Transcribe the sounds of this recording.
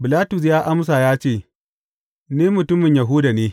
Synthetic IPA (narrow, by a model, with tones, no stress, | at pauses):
bɪ˨laː˦tʊ˨s̬jaː˦ʔa˦m˦s̬a˨jaː˦t͡ʃeː˦˨ | niː˦mʊ˨tʊ˦mɪ˨ɲja˨ɦʊ˦da˨neː˦